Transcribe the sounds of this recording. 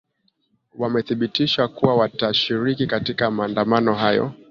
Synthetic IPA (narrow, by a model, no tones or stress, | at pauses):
wamɛθiɓitiʃakuwawataʃiɾikikatikamaːndamanɔɦajɔ̰